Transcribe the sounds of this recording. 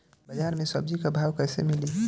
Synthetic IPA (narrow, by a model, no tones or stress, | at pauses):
bad͡ʒaːɾmẽsɐb̚d͡ʒikabʱawkasḛmili